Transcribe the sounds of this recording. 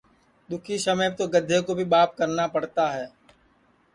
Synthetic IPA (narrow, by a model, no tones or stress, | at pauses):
d̪ʊkʰisɐmət̪oɡəd̪ʱːekobʱibaːp̚kɐɾnapɐɽt̪aɦɛː